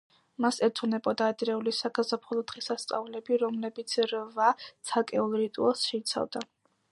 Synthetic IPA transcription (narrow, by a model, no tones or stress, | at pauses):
masɛɾt̪ʰunɛbʼɔd̪aːd̪ɾɛulisaɡazapʰɔlˠɔd̪̥ʁisast̪sʼa̰vlɛbiɾɔmlɛbit̪sʰɾvat̪sʰakʼɛulˠɾit̪ʼṵɛlˠsʃɛit̪sʰa̰vd̪a